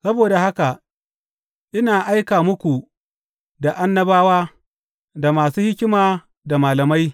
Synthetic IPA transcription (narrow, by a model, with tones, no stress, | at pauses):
sɐ˦boː˨da˨ha˦ka˨ | ʔɪ˦naː˨ʔa˦jkaː˨mʊ˦kʷu˨ | da˨ʔa˦nːɐ˦baː˦waː˦ | da˨maː˨suː˦hɪ˦kʲɪ˦maː˨ | da˨maː˨lɐ˨ma˦j